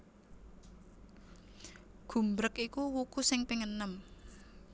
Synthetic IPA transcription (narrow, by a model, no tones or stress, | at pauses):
ɡ̥ṳmbɾəkikuwukusɪŋpiŋənəm